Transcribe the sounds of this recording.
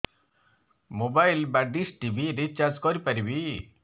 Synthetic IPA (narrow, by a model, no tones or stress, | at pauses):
mobajlbaɖisʈibʱiɾet͡ʃaɾd͡ʒkɔɾipaɾibi